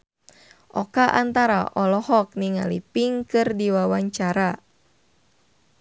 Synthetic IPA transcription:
ʔɔkaʔant̪aɾa̰ʔɔlɔhɔk̚niŋa̰lḭpiŋkɨrdiwawaɲt͡ʃaɾa

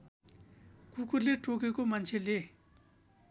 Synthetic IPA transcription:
kukuleʈ͡ʂokekomant͡ɕʰele

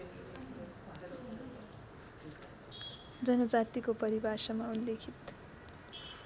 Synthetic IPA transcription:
d͡zʌnʌd͡zat̪ikopʌɾibʱasʌmaunlekʰit̪

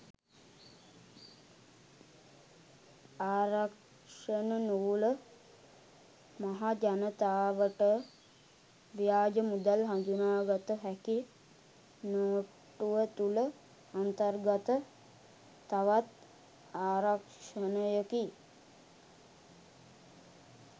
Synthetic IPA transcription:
aːɾak | ʂənənuʋulə | maɦad͡ʒanət̪aːʋəʈə | ʋijaːd͡ʒəmud̪alɦand̪unaːɡat̪əɦæki | noː | ʈuʋət̪ulə | ant̪ərɡat̪ə | t̪aʋat̪ | aːɾak | ʂənəjəki

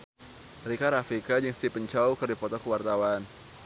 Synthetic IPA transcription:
rikaɾafikad͡ʒəŋst̪ipəɲt͡ʃawkərdipɔt̪ɔkəwart̪awan

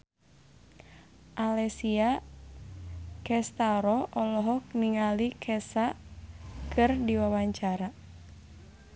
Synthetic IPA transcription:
ʔalɛsia | kɛst̪aɾɔʔɔlɔɦɔk̚niŋalikʰɛsa | kʰɨrdiwawaɲt͡ʃaɾa

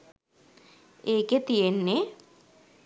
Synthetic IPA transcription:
eːket̪ijenːe

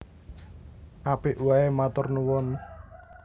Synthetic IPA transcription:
ʔapiʔwaemat̪ɔrnuwɔn

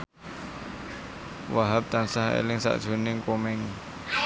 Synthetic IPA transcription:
waɦap̚t̪ansaɦḛlɪŋsa̰ʔd̥ʒ̥o̤nɪŋkomɪŋ

